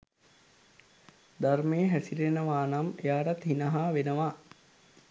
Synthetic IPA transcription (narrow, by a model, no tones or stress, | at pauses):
d̪armeːəɦæsilenəʋaːnamejaːɾat̪ɦinəɦaːʋenəʋaː